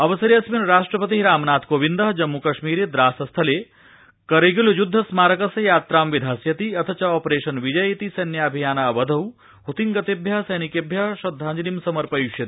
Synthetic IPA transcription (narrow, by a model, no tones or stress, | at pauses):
ɐʋɐsɐɾjɐsminɾaːʂʈɾɐpɐt̪iɦɾaːmnaːt̪ʰkoːʋind̪ɐɦɐd͡ʒɐmːukɐʃmiːɾeːd̪ɾaːsɐst̪ʰɐleː | kɐɾeɡuljud̪ʱːɐsmaːɾɐkɐsɐjaːt̪ɾaːmʋid̪ʱaːsjɐt̪iɐt̪ʰɐt͡ʃɐɔːpɾeːʃɐnʋid͡ʒɐjit̪isɐnjaɐbʱijaːnaːʋɐd̪ʱɐw | ɦut̪iŋɡɐt̪ibʱjɐɦsɐjnikebʱjɐʃɐd̪ʱːaːɲd͡ʒinimsɐmɐɾpɐjuʃjɐt̪ii